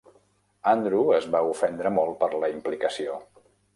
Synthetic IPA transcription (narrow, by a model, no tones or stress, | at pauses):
and̪ɾuəzβaufɛnd̪ɾəmɔlˠt̪̚pəɾləimplikəsio